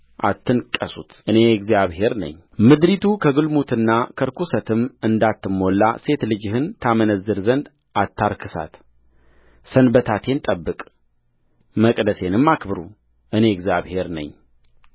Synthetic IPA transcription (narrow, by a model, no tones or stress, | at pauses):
ʔa̰t̪ʰːɨnkʼəsut̪ʔɨne̞ɛɡzjaβhe̞ɾnə̰ɲː | mɨd̪ɾit̪ʰukʰəɡɨlmut̪ɨnːakʰəɾkʰusət̪ʰɨmɨnd̪at̪ːɨmːo̞lːa̰se̞t̪lɨd͡ʒɪhɨnt̪ʰamənəzːɨɾzənd̪ | ʔat̪ʰːaɾkʰɨsa̰t̪ | sənbət̪ʰat̪ʰe̞nt̪ʼəbːɨkʼ | məkʼd̪əse̞nɨmːakbɨɾu | ʔɨne̞ɡzijaβhe̞ɾnə̰ɲː